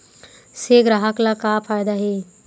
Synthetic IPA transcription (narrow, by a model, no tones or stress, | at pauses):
seɡɾaɦaklakaːpʰaɾd̪aɦe